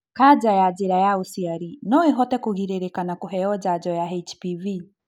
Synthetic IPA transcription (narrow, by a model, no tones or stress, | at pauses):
kad͡ʒajad͡ʒiɾajausiaɾinɔiɦɔtɛkuɣiɾɛɾɛkanakuɦɛɔd͡ʒad͡ʒɔjaɛt͡ʃpivi